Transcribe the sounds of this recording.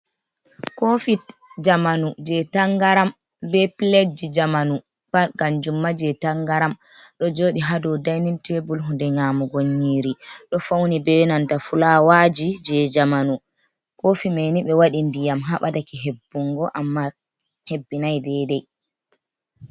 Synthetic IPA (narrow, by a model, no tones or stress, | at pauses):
kofid͡ʒamanud͡ʒɛtaŋɡaɾam | bɛpiled͡ʒid͡ʒamanu | b̥aɾkand͡ʒumːad͡ʒɛtaŋɡaɾam | ɗɔd͡ʒoːɗiɦadɔdajnintebulɦundɛŋaːmuɡoɲːiːɾiɗɔfawnibɛnantafulawad͡ʒid͡ʒɛd͡ʒamanu | koːfimajniɓɛwaɗindijamɦaɓadakiɦebːuŋɡɔʔamːa | hebːinajdɛdɛj